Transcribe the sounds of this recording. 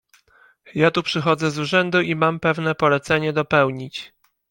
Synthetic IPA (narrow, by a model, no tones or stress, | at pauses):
jat̪upʂɘxɔd̪zɛzuʐɛnd̪uʔimampɛvnɛpɔlɛt̪sɛɲɛd̪ɔpɛwɲit͡ɕ